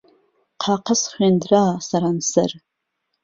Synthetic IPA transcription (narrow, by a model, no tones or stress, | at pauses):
qʰaqʰəsχʷandraːsaɾansɨr